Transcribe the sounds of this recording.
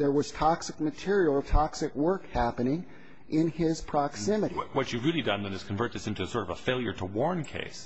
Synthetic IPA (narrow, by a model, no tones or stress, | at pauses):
ðə˞wʌz̥tʰɑksɨk̚mɨtʰɪɹil̩ˠʌv̥tʰɑksɨkwɜ˞khæpɨnɪ̃ŋ | ʔɪ̃nɪz̥pʰɹ̥ɑksɪ̃mɨɾiwʌt͡ʃɨvɹɪlˠidʌ̃nðɨ̃nɨz̥kʰɨ̃ɱvɜ˞t̪̚ðɨsɪ̃ntuɨsɔɹɾʌvəfeɪlˠjə̰˞ɾəwɔɹnkʰḛɪs